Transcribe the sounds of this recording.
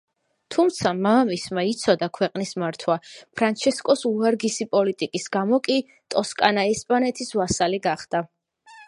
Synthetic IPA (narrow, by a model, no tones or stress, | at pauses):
t̪ʰumt̪sʰamamismait̪sʰɔd̪akʰwɛqʼnismaɾt̪ʰwapʰɾant͡ʃʰɛskʼɔsuaɾɡisipʼɔlit̪ʼikʼisɡamɔkʼi | t̪ʼɔskʼanaɛspʼanɛt̪ʰisvasaliɡaχd̪̥a